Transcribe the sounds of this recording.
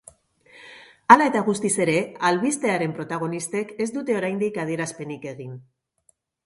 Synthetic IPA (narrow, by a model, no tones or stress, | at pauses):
alae̞t̪aɣ̞ust̪ise̞ɾe̞alβist̪e̞aɾe̞mpɾo̞t̪aɣ̞o̞nist̪e̞ke̞zd̪ut̪e̞o̞ɾajnd̪ikað̞ie̞ɾaspe̞nike̞ɣ̞in